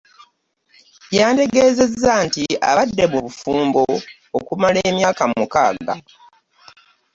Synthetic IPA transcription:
jaːnte̞ɡe̞ːze̞zːantia̰βadːe̞muβufuːmboː | kumale̞ːmjaːkamukaːɡɡa̰

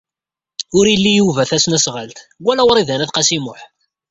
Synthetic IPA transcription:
ʊɾjəlːijuvæθæsnæsʁəlt̪ɡʷːælæwɾˤiðænæθqɑsimʊħ

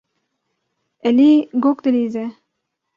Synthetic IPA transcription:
ɛliɡokt̪eliːze

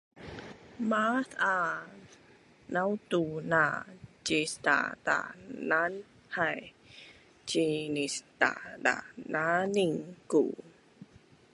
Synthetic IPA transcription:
maθa | nawtunat͡ʃista̰ta̰nan | haj | t͡ʃinist̪a̰da̰naniŋkṵ

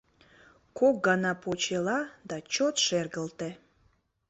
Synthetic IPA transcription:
kʰok̚ɡɑnɑpot͡ɕelɑd̪ɑt͡ɕot̪ʃerɣəlt̪e

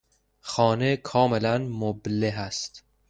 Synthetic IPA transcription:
xɒːnekʰɒːmelænmobleɦæst̪

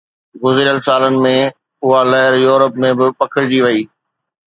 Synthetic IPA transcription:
ɡʊzɾijəlsaːlənɪ̆mẽ | ʊɦalɐɦɪɾjuːɾəpmẽbɪpɐkʰɪɽɪd͡ʑiʋɐiː

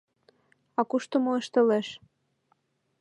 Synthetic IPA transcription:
ɑkuʃt̪omoəʃt̪ɤ̆leʃ

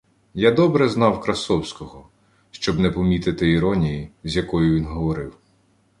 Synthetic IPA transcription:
jad̪ɔbɾɛznɑwkɾɐsɔwsʲkɔɦɔ | ʃt͡ʃɔbnɛpɔmʲit̪ɪt̪ɪiɾɔnʲijizʲjɐkɔjʊʋʲinɦɔʋɔɾɪw

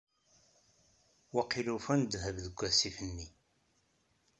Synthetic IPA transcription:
waqːilufænd̪həvðəɡʷːæsifənːi

